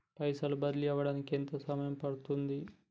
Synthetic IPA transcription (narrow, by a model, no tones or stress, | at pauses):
pɐjsɐlubɐd̪liɐʋɐɽaːnikent̪ɐsɐmɐjɐmpɐɽut̪und̪i